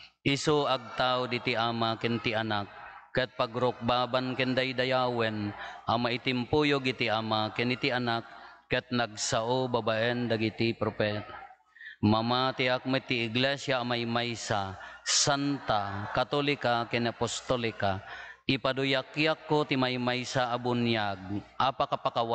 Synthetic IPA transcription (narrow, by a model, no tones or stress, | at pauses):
ʔɪsuaɡ̚t̪awd̪it̪iʔamakɛnt̪ianak̚ːɛt̪̚paɡɾʊk̚baːbankɛnd̪ajd̪ajaːwɛnʔamait̪ɪmpujoɡit̪iamakɛnit̪ianakːɛt̪̚naɡsaʔobabaʔɛnd̪aɡit̪ipɾopɛt̪ḁ | mamat̪iak̚mɛt̪iːɡlɛsjaːmajmajsasant̪akat̪olɪkakɛnapost̪olɪkaʔɪpad̪ujakjakːot̪imajmajsaʔːbʊnjaɡ̚ʔapakapakawa